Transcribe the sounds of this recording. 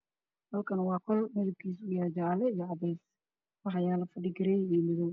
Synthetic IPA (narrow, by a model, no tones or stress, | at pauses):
hɐlkʰɐnwɑːkʰɔlmɪðɪb̚kʰiːs̬ʊjaːd͡ʒalɛijɔʕɑðɛjs | wɑħɑjaːlɐfɐɖiɡɪɾɛjiːmɪðɔw